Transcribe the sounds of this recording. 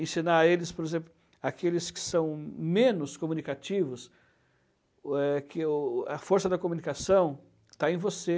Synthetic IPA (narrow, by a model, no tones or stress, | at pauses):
ẽsĩnaelɪspoɾezẽmplʊ | akelɪskɪ̥sɐ̃w̃mẽnʊskomũnikat͡ʃivʊs | ɛkɪʊɐfoɾsɐd̪ɐkomunikasɐ̃w̃ | t̪aẽj̃vose